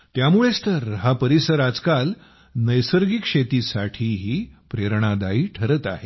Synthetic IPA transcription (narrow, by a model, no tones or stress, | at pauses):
t̪jamuɭest̪əɾɦapəɾisəɾad͡zkal | nəjsəɾɡikʂet̪isaʈʰiːɦiːpɾeɾɳ̃ad̪aiːʈʰəɾət̪a̰ɦe